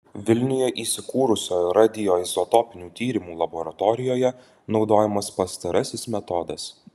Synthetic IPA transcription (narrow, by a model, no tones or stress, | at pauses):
ʋʲɪlʲnʲʊjɛʔiːsʲɪkuːɾʊsʲoːjɾɑd̪ʲɪjoːjzɔt̪ɔpʲɪnʲuːt̪ʲiːɾʲɪmuːlˠɐbɔɾɐt̪ɔɾʲɪjoːjɛ | nɒʊd̪oːjɛmɐspɐst̪ɐɾɐsʲɪsmʲɛt̪ɔd̪ɐs